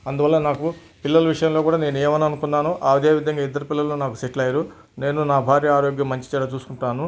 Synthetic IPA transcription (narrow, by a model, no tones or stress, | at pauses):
ɐnd̪uʋɐlːɐnaːku | pilːɐlɐʋiʂɐjɐmlo̞ːkuːɽaːne̞ːnueːmɐnɐnukunːaːnuʔaːʋid̪eːʋid̪ʱɐŋɡaːid̪ːɐɾupilːɐlːoːnaːkuseʈlɐjɾu | ne̞ːnunaːbʱaːɾjɐaːɾoːɡjɐmːɐɲt͡ʃi̥t͡ʃɛɾat͡ʃuːsu̥kuɳʈunaːnu